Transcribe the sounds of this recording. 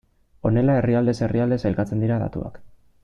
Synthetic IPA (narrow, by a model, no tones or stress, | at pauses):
o̞ne̞lae̞riald̪e̞se̞riald̪e̞se̞lkat͡se̞nd̪iɾaða̰t̪ua̰k